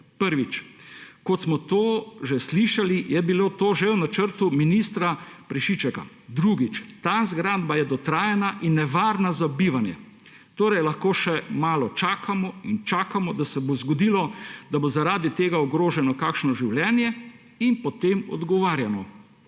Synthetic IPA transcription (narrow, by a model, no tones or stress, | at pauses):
pəɾʋit͡ʃkɔt̪smɔt̪oːʒɛsliʃalijɛbiloːt̪oːʒɛwnat͡ʃəɾt̪uminist̪ɾapɾɛʃit͡ʃɛka̰ | d̪ɾuɡit͡ʃt̪azɡɾaːd̪bajɛd̪ɔt̪ɾaːjɛnaʔinːɛʋaːɾnazabiʋanjɛ̰ | t̪oːɾɛjlaxkoːʃɛmaːlɔt͡ʃaːkʰamɔint͡ʃaːkamɔd̪asɛbozɡɔd̪iːlɔd̪abozaɾaːd̪it̪eːɡaɔɡɾoːʒɛnɔkaːkʃnɔʒiwljɛːnjɛ | inpɔt̪emɔ̰d̪ɡɔʋaːɾjanɔ